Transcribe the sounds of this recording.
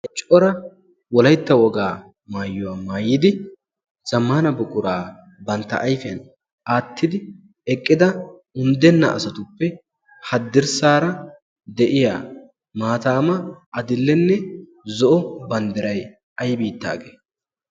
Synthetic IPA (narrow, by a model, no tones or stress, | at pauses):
t͡ʃʼɔɾɐ | wɔlɐjt̪ːɐwɔɡaː | maːjːʊwaːmaːjːɪd̪ɪ | z̥ɐmːaːnɐbʊkʼʊɾaː | bɐnt̪ːɐ̰ʔɐjfɛ̰n | ʔaːt̪ʰːɪd̪ɪ | ɛkʼːɪd̪ɐ | ʊnd̪ɛnːɐ̰ʔɐ̰sɐt̪ʊpːɛ | hɐd̪ːɪɾsaːɾɐ | d̪ɛʔɪjaː | maːt̪aːmɐɐd̪ɪlːɛnːɛ | zɔʔɔbɐnd̪ɪɾɐj | ɐjbiːt̪ːa̰ːɡeː